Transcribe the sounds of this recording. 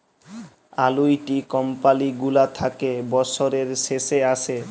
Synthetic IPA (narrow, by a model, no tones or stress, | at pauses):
alujʈikɔmpaliɡulat̪ʰakebɔsoɾeɾʃeʃeaʃʰe